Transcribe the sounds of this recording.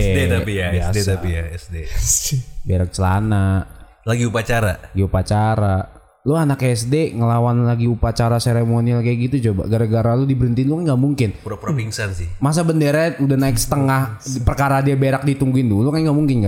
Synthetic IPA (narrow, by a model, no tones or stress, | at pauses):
et̪apijadet̪apijaɛsde | beɾak̚t͡ʃəla̰na | laɡiupat͡ʃaɾalaɡiupat͡ʃaɾa | loanakeɛsdeŋəlawanlaɡiupat͡ʃaɾaseɾemonilkaɡit̪ut͡ʃoba̰ɡaɾaɡaɾalʊdibəɾənt̪iɪnlʊkanŋɡaʔmuŋkɪnpuɾapɾopiŋsansɪhmas̬abəndəɾaudahnaɪksə̥t̪əŋahpərkaɾadiabeɾak̚dit̪uŋɡuɪndulokanɡaʔmuŋkɪnka